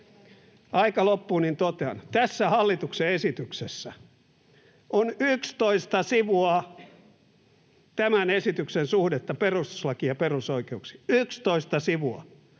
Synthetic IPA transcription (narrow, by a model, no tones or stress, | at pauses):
ɑikɑlopːuːnint̪ot̪eɑ̰nt̪æsːæhɑlːit̪ukseesit̪yksesːæ | ʔonykst̪oist̪ɑsiʋuɑ | t̪æmænesit̪yksensuhdet̪ːɑperust̪u̥slɑkiɑperusoikeuksi̥ykst̪oist̪ɑsiʋuɑ̰